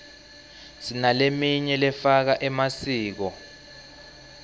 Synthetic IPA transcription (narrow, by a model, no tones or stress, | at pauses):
sinalemiɲɛlɛfak̬aʔɛmasiːk̬ɔ